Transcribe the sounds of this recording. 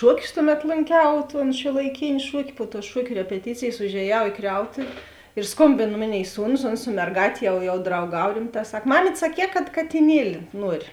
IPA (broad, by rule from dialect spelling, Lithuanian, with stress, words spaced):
ˈʃuɔˌkʲʊs ˈtʊˌmʲɛt lˠoːŋʲˈkʲɛʊ toːn ʃʲuɔlˠɐɪˈkʲeːnʲɪ ˈʃuɔkʲɪ pʊ tuː ˈʃuɔkʲʊ rʲɛpʲɛˈtʲiːt͡sʲeːjeːs ʊʒʲeːˈjɛʊ iː ˈkrʲɛʊtʊʋʲɪ ɪr ˈskoːmʲbʲeːn ˈmoːˌnʲeːɪ ˈsuːnʊs ˈoːns sʊ mʲɛrˈɡɑːtʲeː jɛʊ jɛʊ drɐʊˈɡɐw ˈrʲɪmˌtɑː ˈsɐk ˈmɑːmʲiːtʲ sɐˈkʲɛː kɐt kɐtʲɪˈnʲiɛlʲɪ ˈnuɔrʲɪ